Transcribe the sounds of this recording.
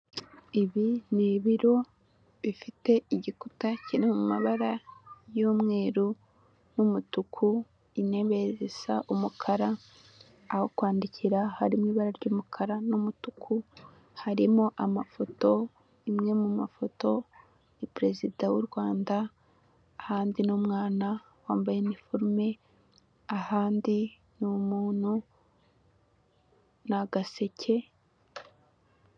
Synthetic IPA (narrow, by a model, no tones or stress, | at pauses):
iβiniβiɾo̞ | βifite̞iɟiku̥tacineumaβaɾajuːmŋe̞ːɾu | numutukʰu | ine̞βe̞zesaʔumukʰaɾaː | ho̞kwaːndiciɾahaɾimŋiːβaɾaɾɟuːmukʰaɾanumutukʰu | haɾimoʔamafo̞to̞ | imŋe̞mumafo̞to̞ | nipɾe̞zidawuɾɡwaːndaː | haːndinumŋaːna | waːmbajenifoɾme̞ | ahaːndi | numuːn̥hu | naɡase̞cʰe̞